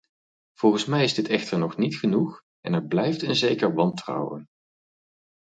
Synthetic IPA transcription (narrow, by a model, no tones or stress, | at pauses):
v̥ɔlˠχənsmɛjɪzdɪtɛχtəɹnɔχnitχənuχ | ɛ̰nɛɹblɛjftənzejkəɹʋɑntrɑ̰wə̰n